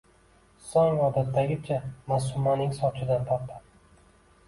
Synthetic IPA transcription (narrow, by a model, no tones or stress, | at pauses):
sɒŋɒd̪at̪ʰːaɡʲɪt͡ʃʰamasʊmːanɪŋsɒt͡ʃʰɪd̪ant̪ʰɒp̪̚ʰːa